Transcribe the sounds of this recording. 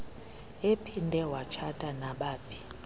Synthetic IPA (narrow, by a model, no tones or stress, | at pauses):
epʰindʱɛwat͡ʃʰatʼanaɓaːpʰi̥